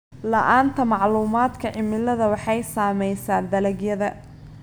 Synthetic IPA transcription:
lɐʔaːnt̪ʰɐmɑʕluːmaːd̪kʰɐʕɪmɪlɐðɐwɑħɑjsaːmɛjsaːnd̪ɐlɐɡjɐðɐ

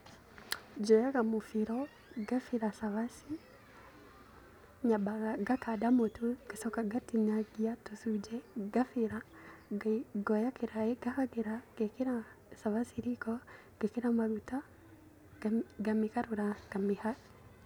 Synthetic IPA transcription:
d͡ʒɔjaɡamufiɾɔ | ɡafiɾasaβasi | ɲabaɡaɡakadamotuɡ̥esɔkaɡatiɲaɡiatusud͡ʒɛɡafiɾa | ɡɔjakeɾaeɡakaɡeɾaɡekeɾa | saβasiɾikɔ | ɡ̥ekeɾamaɾutḁ | ɡamikaɾuɾaɡ̥amiha

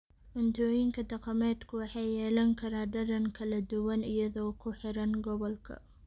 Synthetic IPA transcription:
ʔʊnt̪ʰɔːjɪŋkʰɐd̪ɐqɑmɛːd̪kʰʊwɑħɑjjɛːlɐŋkʰɐɾaːɖɐɾɐŋkʰɐlɐd̪ʊwɐnɪjɐðɔːkʰʊħɪɾɐnɡɔβɔlkʰɐ̰

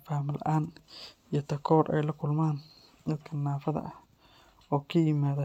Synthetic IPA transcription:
faːmɪlʔɐʔaːnijɞt̪ʰɐkʰɔːɾʔɛ̰jlɐkʰʊlmaːn | d̪ɐd̪kʰɐnːaːfɐðɐ̰ʔɐh | ɔːkʰɐjɪmaːðɐ

